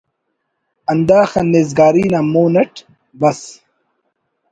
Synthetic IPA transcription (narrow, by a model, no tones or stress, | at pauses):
ɐnd̪aːxɐnezɡaːɾiːnamoːnɐʈ | bɐs